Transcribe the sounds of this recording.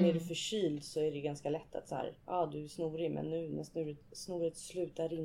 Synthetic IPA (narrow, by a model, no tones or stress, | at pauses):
æɖɵfœʂyːld̪sɔæɖɛɡanskalɛt̪ʰːa̰t̪sahæ̰ːɾʔɑːd̪ɵæsnuːɾɪmʔɛ̰nːʉ̟ːnɛst̪nʉːɾɪt̪snuːɾɪt̪slʉ̟ːt̪aɾɪn